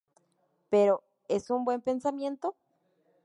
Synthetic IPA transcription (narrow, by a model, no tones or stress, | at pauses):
peɾo | esumbwe̞mpensamjẽ̞nt̪o